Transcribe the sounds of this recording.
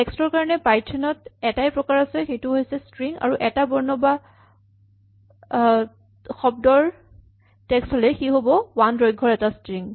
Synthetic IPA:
tɛkstɔɹkaɹɔnɛpajtʰːɛnɔtɛtajpɹɔkaɹasɛxejtʊɦojsɛstɹiŋa̰ɹuʔɛtabɔɹnɔba | xɔb̚dɔɹ | tɛkstholɛxiɦobɔwanɹojɡʱːɔɹɛtastɹiŋ

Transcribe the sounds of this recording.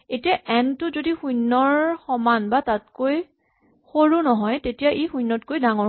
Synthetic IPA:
etijaʔɛntʊzodixujnːɔɹxɔmanbatat̚koj | xoɹunɔɦɔjtetijaʔejxujnːɔtkojdaŋɔ

